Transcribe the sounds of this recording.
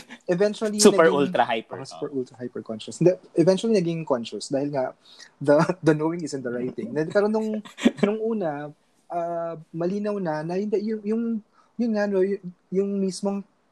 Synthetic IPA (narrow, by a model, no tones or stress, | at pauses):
ʔɛvɛnt͡ʃʊɐlisunpɛɹult̪ɾɐhajpsu̥pɛɹʔult̪ɾɐhajpɛɹkɔnʃʊsnd̪ɛʔɛvɛnt͡ʃʊwɐlinɐɡɪŋkɔnʃʊsd̪aːhɪlŋa | d̪ɐd̪ɐnowɪŋɪsɪ̃nd̪ɐɹajt̪̚ːɪ̃ŋnɛpɛːɾonʊŋnʊŋʔuːnɐ | ʔaːmɐliːnɐwnɐnɐhɪnd̪ɛjʊŋjʊŋ | jʊnŋanoj | jʊŋmismoŋ